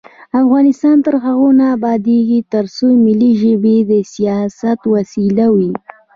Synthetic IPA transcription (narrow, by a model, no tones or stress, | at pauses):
afɣɑnɪst̪ɑnt̪əɾxaɣonaːbɑd̪eɡit̪əɾsomɪliʒəbed̪əsijɑsat̪wasilawi